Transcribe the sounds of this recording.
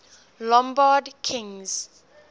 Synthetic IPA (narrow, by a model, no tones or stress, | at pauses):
lɔ̃mbadkʰĩŋz̥